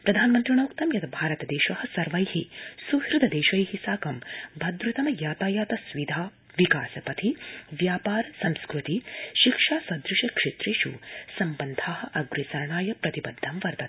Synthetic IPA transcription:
pɾɐd̪ʱaːnmɐnt̪ɾiɳoːkt̪ɐmjɐt̪ʰɐbʱaːɾɐt̪ɐd̪eːʃɐhɐ̆sɐɾʋɐjhisuhɾud̪ʱɐd̪eːʃɐjhisaːkɐmbʱɐd̪ɾut̪ɐmɐjaːt̪aːjaːt̪ɐsʋid̪ʱaː | ʋikaːsɐpɐt̪ʰiʋjaːpaːɾɐsɐmskɾut̪iʃikʂaːsɐd̪ɾuʃɐkʂet̪ɾiːʃṵsɐmbɐnd̪ʱaːɦɐ̆ʔɐɡɾisɐɾɐɳaːjɐpɾɐt̪ibɐd̪ʱːɐmʋɐɾt̪ɐt̪

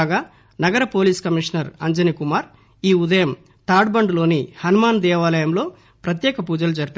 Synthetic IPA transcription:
ɡaː | nɐɡɐɾɐpo̞ːliːskɐmiʂɐnɐɾɐɲd͡ʒɐnikumaːɾ | iːud̪ɐjɐm | t̪aːɖbɐɳɖlo̞ːnihɐnumaːnd̪ɛːʋaːlɐjɐmlo̞ː | pɾɐt̪̬jɛːkɐpuːd͡ʒɐlud͡ʒɐɾipː

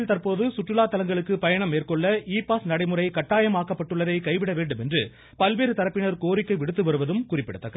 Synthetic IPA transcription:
lt̪ɐrpoːðɯsʊʈrɯlaːt̪ːɐlɐŋɡɐɭɯkːɯpɐjɐɳɐmːeːrkɔɭːɐiːpaːsnɐɽɐɪmɯrɐɪkɐʈːaːjɐmaːkːɐpːɐʈːɯɭːɐðɐɪkɐɪʋɪɽɐʋeːɳɖɯmɛndrɯ | pɐlʋeːɾɯt̪ɐɾɐpːɪɳɐɾkoːɾɪkːɐɪʋɪɽɯt̪ːɯʋɐɾɯʋɐðɯmkʊrɪpːɪɽɯt̪ːɐkːɐ

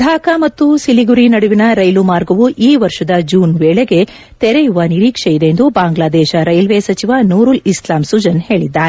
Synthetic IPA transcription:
d̪ʱaːkɐmɐt̪ːusiliɡuɾinɐɽuʋinɐɾɐjlumaːɾɡɐʋuʔiːʋɐɾʂɐd̪ɐd͡ʒuːnʋeːɭeɡe̞ | t̪ɛɾɛjuʋɐniɾiːkʂejid̪end̪ubaːŋɡlaːd̪ɛːʃɐɾɐjlʋesɐt͡ʃiʋanuːɾulislaːmsud͡ʒɐnhe̞ːɭid̪ːaːɾe

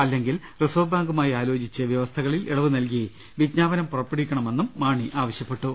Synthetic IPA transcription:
ɐlːe̞ŋɡil | risoːbaːŋɡumaːjaːlo̞ːd͡ʑit͡ɕːɐʋjɐʋɐst̪ʰɐɣɐɭiliɽɐʋunɐlkije | ʋid̪naːʋɐnɐmpurɐpːeɽikʲːɐɳɐme̞nːumːaːɳiʔaːʋɐɕjɐpːe̞ʈːu

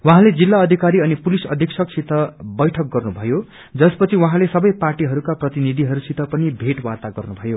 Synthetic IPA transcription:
waɦãled͡zilːaʌd̪ʱikaɾiʌnipulisʌ̰d̪ʱiksʰʌk̚sʰit̪ʌbʌjʈʰʌk̚ɡʌrnubʱʌjo | d͡zʌspʌt͡sʰiwaɦãlesʌbʌjparʈiɦʌɾukaprʌt̪inid̪ʱiɦʌɾusit̪ʌpʌnibʱeʈwat̪aɡʌrnubʱʌjo

